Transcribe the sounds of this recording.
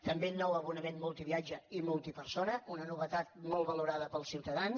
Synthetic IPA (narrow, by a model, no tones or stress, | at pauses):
t̪əmbenːɔwəβunəmemmulˠt̪iβiad͡ʒəimulˠt̪ipəɾsonəunənuβət̪at̪̚mɔlˠβəluɾaðəpəlˠsiwt̪əðans